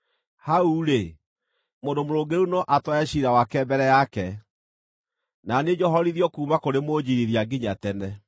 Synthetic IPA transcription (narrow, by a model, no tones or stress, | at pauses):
hauɾe | moːndomoɾoːɡeɾunɔʔatwaɛɕiɾawakɛbɛɾɛjakɛ | naned͡ʒɔɦɔɾiðjɔkuːmakoɾemod͡ʑiɾiðjaɡiɲatɛnɛ